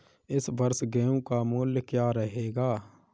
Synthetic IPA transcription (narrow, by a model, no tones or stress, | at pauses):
ɪsbəɾsɡeõkamʊljəkjaːɾəɦeːɡaː